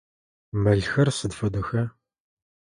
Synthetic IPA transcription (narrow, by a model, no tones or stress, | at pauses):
mɐɮxɐrsɨdfɐdʊxɐ